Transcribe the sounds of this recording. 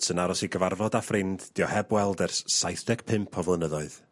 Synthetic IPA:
sʰənaɾɔsiɡəvarvɔdafrɪndd̥iɔhɛbwɛlˠdɛrsːajθd̥ɛɡ̥pʰɪmpʰɔvˠənəðɔɨð

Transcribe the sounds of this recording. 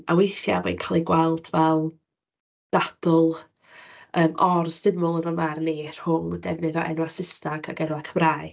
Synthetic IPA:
awejθjamḭnkʰalˠiɡwɛlˠd̥vɛlˠ | d̥ad̥ɔlˠ | əːmʔɔrsdɪmʊlˠənəmarneːr̥hʊŋdɛvnɨðɔʔɛ̰nwasɪsnaɡʰaɡɛnwakʰəmraːj

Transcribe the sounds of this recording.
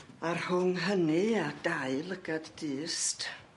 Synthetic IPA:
arhʊŋɦəniad̥aɨlˠəɡadːɨːst

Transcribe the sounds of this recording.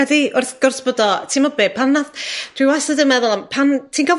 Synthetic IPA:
ɛdiʊrθɡ̥ʊrsb̥odɔtʰimɔbeːpʰanːad̥ʰwiwasədəmɛðʊlˠampʰantʰiːnɡɔv

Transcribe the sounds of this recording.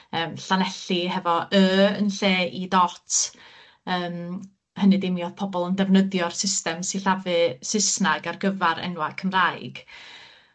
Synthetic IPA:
əːmɬanɛɬihɛvɔʔəːənɬeːʔidɔtʰ | əːm | hənɨdɪmjɔð̥pʰɔbɔlˠəndɛvnəðjɔrsɪstɛmsiɬavɨsɪsnaɡarɡəvaɾɛ̰nwakʰəmrajɡ̥

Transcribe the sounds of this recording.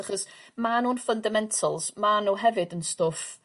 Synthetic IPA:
aχɔsmanunfəndamɛntʰəlˠz̥manoɦɛvɨdənstʊf

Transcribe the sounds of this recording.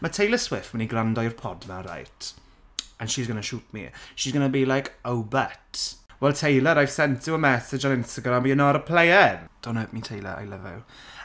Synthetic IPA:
matʰejləswɪfmɛniɡrandɔjrpʰɔdmaɾa̰jtʰ | ənʃizɡənaʃuːp̚ʰmḭʃiːzɡənabiːlajkʰowbɛtwɛlˠtʰejləɾajv̥sɛntʰɪəmɛsɪd͡ʒanɪ̃nstaɡɾamiənɔɾəpʰl̥ejɛnd̥onəpmitʰejlə̰ʔa̰jləvɛ̰w

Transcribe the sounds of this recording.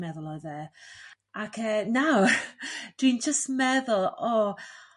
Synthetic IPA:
mɛðʊlˠɔɨðe | akʰəːnaw | d̥wiːnd͡ʒəstmɛðʊlˠɔ

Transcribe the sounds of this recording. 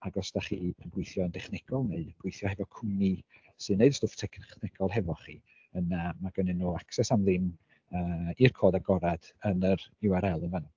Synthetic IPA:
aɡɔsd̥aχiːənbwʊɨθjɔəndɛχnɛɡ̥ɔlˠneɨdb̥wʊɨθjɔhɛvɔkʰʊni | sɨnːeɨdstoːftʰɛkʰχnɪɡ̥ʰɔlˠɦɛvɔχḭː | ənamaɡənɨnːoːaksɛsamðɪm | əːirkʰoːdaɡɔɾad̥ənəɾɪwaɾɛlˠənvanu

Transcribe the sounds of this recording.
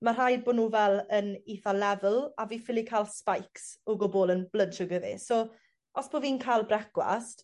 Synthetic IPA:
mar̥aj̚boːdnuːvɛlˠəniθalɛvəlˠaviːfɪlˠikʰalˠspajksɔɡɔbɔlˠənblədʃəɡəvḭsoː | ɔsb̥oːviːnkʰajlˠbrɛɡwa̰st

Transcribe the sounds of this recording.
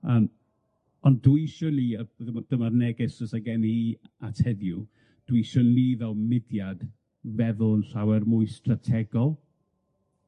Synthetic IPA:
an | ɔnduiʃɔniəbəðəmɔd̥əmarnɛɡɪsəsaɡɛniiatʰhɛðju | d̥wiʃɔnlivɛlˠmɪdjad | vɛðʊlnɬawɛrmʊjstratʰɛɡɔlˠ

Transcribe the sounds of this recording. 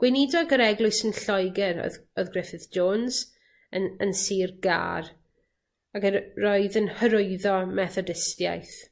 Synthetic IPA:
ɡ̥wɪnidɔɡəɾɛɡlˠʊɨsənɬɔjɡɛɾɔ̰ðɔðɡrɛfɨðd͡ʒoːnz̥ | əənsiːrɡa̰ːr | akərɔɨðənhəɾʊɨðɔmɛθɔdɪstja̰jθ

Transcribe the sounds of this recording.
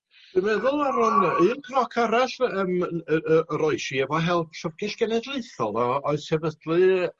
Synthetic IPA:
d̥ɨmɛðʊlˠaɾʊnɨnkʰnɔkʰaɾasəməəəɾɔɨʃiɛvɔɦɛlˠp̚ʰsɔvɡ̥ɪɬɡ̥ɛnɛdlˠeɨθɔlˠɔɔɨðsɛvəd̥lˠɨ

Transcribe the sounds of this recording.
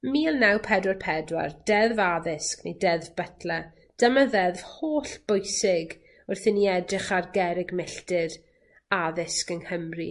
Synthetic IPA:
miːlˠnawpʰɛdwarpʰɛdwa̰rd̥ɛðvaðɪsknejdɛðvbətʰlɛ | d̥əmaðɛðv̥hoːɬb̥ʊjsɪɡ | ʊrθɪniɛdrɪχarɡɛɾɪɡmɪɬtɪɾ | aðɪskənhəmri

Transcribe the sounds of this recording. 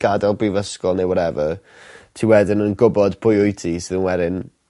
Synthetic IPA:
ɡ̥adɛlˠbrivəskɔlˠnewɔɾɛvə | tʰiːwɛdɪnənɡʊbɔdpʰʊjʊjtʰisɪðənwɛdɪn

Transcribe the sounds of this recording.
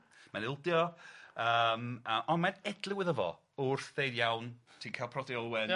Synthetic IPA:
manɪlˠdjɔəməʔɔnmanɛdlˠɪwɪðəvɔ̰ | ʊrθð̥ejdjawntʰiːnkʰaːlˠpʰrɔdiɔlˠwɛn

